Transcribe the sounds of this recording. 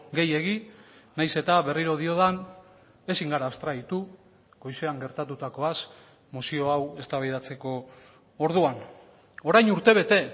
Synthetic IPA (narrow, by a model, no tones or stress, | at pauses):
ɡe̞je̞ɣ̞inajse̞t̪aβe̞riɾo̞ð̞io̞ðan | e̞siŋɡaɾaːst̪ɾait̪u | ɡ̥o̞jse̞aŋɡe̞ɾt̪at̪ut̪ako̞as | mosio̞awe̞st̪aβajðat͡se̞ko̞ː | ɾð̞uan | o̞ɾajnuɾt̪e̞β̞e̞t̪e̞